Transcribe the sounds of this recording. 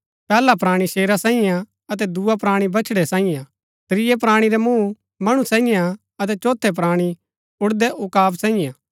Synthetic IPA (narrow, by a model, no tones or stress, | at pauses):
pɛːlapɾaːɽ̃iʃeːɾasãːɪ̃jã | ɐt̪ɛd̪uapɾaːɽ̃ibɐt͡ʃʰɽɛsãːɪ̃jã | t̪ɾɪjɛp̬ɾaːɽ̃iɾɛmũː | mɐɽ̃ũsɛ̃ːɪ̃jã | ɐt̪ɛt͡ʃoːt̪ʰɛp̬ɾaːɽ̃i | ʊɽd̪ɛʔʊkaːbsãːɪ̃jã